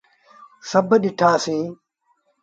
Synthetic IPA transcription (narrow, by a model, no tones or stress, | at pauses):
sɐbɗɪʈʰaːsĩː